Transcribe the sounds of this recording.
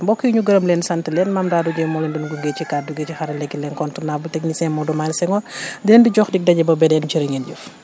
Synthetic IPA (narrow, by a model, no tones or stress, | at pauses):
mbɔkːijɲuɡɐɾɐmlɛːnsɐntəlɛnmamdaːduɟɛmɔlɛndinɡuŋɡɛt͡ʃikaduɡɛːt͡ʃixɐɾɐlɛɡilɛnkɔntunaːbultɛkɲisɛmɔdɔmaːlsɛŋɔdɛːnbiɟɔxdik̚dɐɟɛbɐbɛdɛnt͡ʃiɾɐŋɛnd͡ʒuf